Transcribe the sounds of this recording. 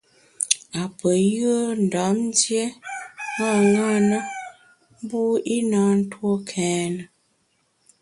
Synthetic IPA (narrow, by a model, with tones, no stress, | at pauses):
a˨pə˨jə˦n̩˨da˨˦mn˦dje˦ŋa˦˨ŋa˦˨nə˦ | m˦bu˦i˦na˦n̩˦two˦kʰɛː˨˦nə˨